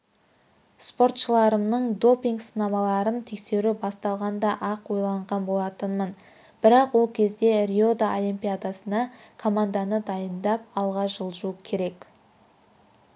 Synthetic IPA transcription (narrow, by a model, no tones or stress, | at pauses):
spo̞ɾt̪ʃəlˠɑɾəmnəɴd̪o̞piŋɡsənɑmɑlˠɑɾənt̪ʰe̞kse̞ɾubɑst̪ɑlˠʁɑnd̪ɑʔɑqwo̞jlˠɑɴʁɑnbo̞lˠɑt̪ənmən | b̥ɪɾɑqwo̞lˠkʲʰe̞zd̪e̞ɾʲio̞d̪ao̞lˠimpʲijad̪asənɑkʰo̞mand̪anəd̪ɑjənd̪ɑp̚ɑlˠʁɑʒəlˠʒuəkʲʰe̞ɾe̞k